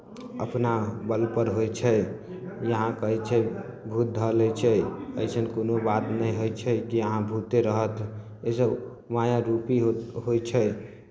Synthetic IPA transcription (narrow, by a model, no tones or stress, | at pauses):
ə̰pnabəlpəɾɦojt͡ʃʰɛ | jəɦãkəɦɛt͡ʃʰɛbʱut̪̚d̪ʱəlɛt͡ʃʰɛəjt͡ʃʰənkonobat̪nəĩɦojt͡ʃʰɛkiəɦãbʱut̪eɾəɦət̪ | esə | majaɾupiɦɦojt͡ʃʰɛ